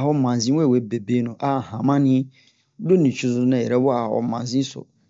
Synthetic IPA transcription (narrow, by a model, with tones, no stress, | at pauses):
ɦɔ˦mã˨zĩ˦wɛ˦˨we˨˦be˨be˦nʊ̃˨ʔa˦˨hã˨mã˦nɪ̃˦ | do˦nĩ˨t͡ɕʰu˦sʊ˦nã˨ɛ˨ɾɛ˦wɔ˦a˨hɔ̰˨˦mã˨n˨zĩ˦sʊ̰˨